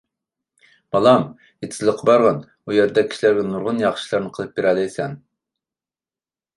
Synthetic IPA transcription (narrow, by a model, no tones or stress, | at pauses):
m̥ɑlˠɑm | jet̪ʰslˠəqʰːɑbɑɾʁɑn | ujɛɾd̪ɛkʲʰi̥ʃilæɾɡʲɛnuɾʁʊnjɑχʃlˠɑɾnɨqʰəlˠɨp̚beɾɛlɛjsɛn